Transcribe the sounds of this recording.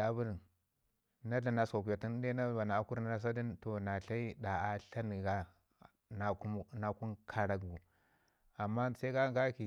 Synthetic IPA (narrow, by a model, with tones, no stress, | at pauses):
a˨bu˦ɾ | na˦ɮa˨na˨sa˨ku˨ja˨ti˦n˦de˦na˦ba˨na˨a˦ku˦ɾna˦na˦s̬a˦di˦nto˨na˨ɬa˦i˦da˨a˨ɬa˦n˨ɡa˦ | na˨˦na˨ku˦nkʰa˨ɾa˨ɡu˨ | a˨mːa˦sa˦i˦ka˦ɡa˦ki˨